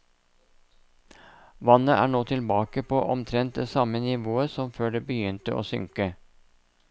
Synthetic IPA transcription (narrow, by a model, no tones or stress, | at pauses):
ʋɑnəʔæ̰ːɳoːt̪ʰɪlbɑːkəpʰoːʔɔmt̪ʰɾɛnt̪̚d̪eːsɑmənɪʋoːəsɔmføːɖeːbəjʏnt̪əʔo̰ːsʏ̰ŋkə